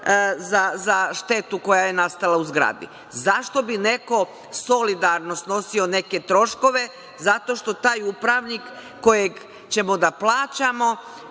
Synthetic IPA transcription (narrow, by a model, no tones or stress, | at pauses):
zazaʃt̪e̞t̪uko̞jaje̞nast̪alauzɡɾa̰ːd̪ḭ | zaʃt̪o̞bine̞ko̞ | so̞lid̪aɾno̞sno̞sio̞ne̞ke̞t̪ɾo̞ʃko̞ʋe̞ | zat̪o̞ʃt̪o̞t̪aːjupɾaʋnikː | o̞jeɡ | t͡ɕe̞mod̪aplˠaːt͡ɕamo̞